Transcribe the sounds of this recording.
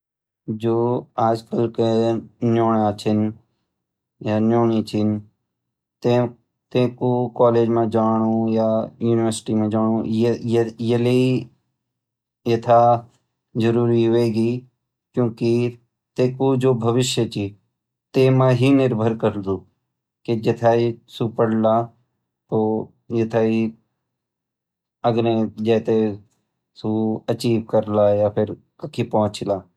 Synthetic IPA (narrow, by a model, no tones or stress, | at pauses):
d͡ʒoːaːd͡ʒkəlkenjoːɳat͡ʃʰɪn | jaːnjoːɳ̃it͡ʃʰɪn | t̪ẽ | t̪ẽːkokaːleːd͡ʒmẽːd͡ʒaːɳ̃ũːjajuːnɪʋəɾsɪ̥ʈimẽd͡ʒaːɽ̃ũjjəlei | jət̪ʰa | d͡ʒəɾuːɾiɦʊʋeːɡiː | kjõːki | t̪eːkod͡ʒoːbʱəʋɪʃjət͡ʃiː | t̪eːmãːɦinɪɾbʱəɾkəɾd̪uː | ked͡ʒet̪ʰaːisuːpəɽlaː | t̪oː | jɐt̪ʰaːi | əɡɾẽd͡ʒɛːt̪e | suɐt͡ʃiːʋ̚kəɾlaːjaːpʰɪɾ | kəkʰipɔɦʊ̃t͡ʃlaː